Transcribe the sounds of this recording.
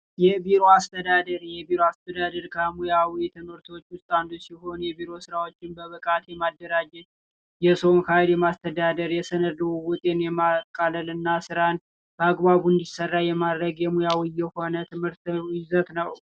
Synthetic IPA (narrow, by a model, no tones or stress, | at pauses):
jɛbiɾo̞ast̪ʰəd̪ad̪əɾjɛbiɾoast̪ʰəd̪ad̪əɾkʰəmujawit̪ʰɨmɨɾt̪ʰo̞t͡ʃːwʊst̪ʼand̪usiho̞njɛβiɾo̞sɨɾawo̞t͡ʃːɪnbəβɨkʼat̪jɛmad̪ːəɾad͡ʒɛt̪ | jɛso̞mkʰajljɛmast̪ʰəd̪ad̪əɾjɛsənəd̪wwɔt̪ʼenjɛmakʼːaləlɨnːasɨɾan | b̥əaɡbaβuɨnd̪isərːajɛmad̪ɾəɡjɛmujawijɛho̞nət̪ʰɨmhɨɾt̪ɪzət̪nəw